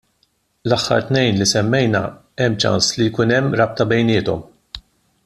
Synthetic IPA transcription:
lɐħːɐ̰ɾt̪nɛjnlisɛmːɛjnɐ̰ | ɛmːt͡ʃɐ̰nslijkuːnɛmːɾɐp̚t̪ɐbɛjnɪːt̪ɔm

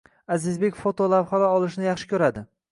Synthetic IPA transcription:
azɪzbekʲfot̪olawχalaɒlˠɪʃnɪjɑχʃɪ̥kʲʰɵɾad̪ɪ

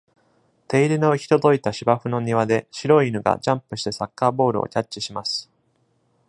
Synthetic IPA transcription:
t̪e̞iɾʲino̞ɯ̟çʲi̥t̪o̞d̪o̞it̪aɕibaɸɯ̟no̞ɲ̟iβad̪e̞ɕiɾo̞inɯ̟ɡa̰d͡ʑãmpɯ̟ɕi̥t̪e̞sakːaːbo̞ːɾɯ̟o̰cʲat͡ɕt͡ɕːiɕimasɨ̥

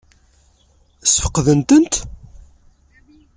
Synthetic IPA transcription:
sfə̥qːðənt̪ənt̪

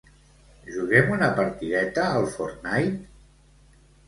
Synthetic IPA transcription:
ʒuɣɛmunəpaɾt̪iðɛt̪əːlˠfoɾnajt̪

